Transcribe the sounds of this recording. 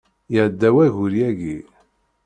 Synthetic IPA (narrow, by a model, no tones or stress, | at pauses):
jəʕd̪ːæwæʝʊɾjæɡi